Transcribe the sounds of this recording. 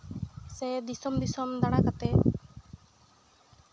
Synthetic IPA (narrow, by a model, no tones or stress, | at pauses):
sɛd̪isɔmd̪isɔmd̪aɽ̃akat̪ɛ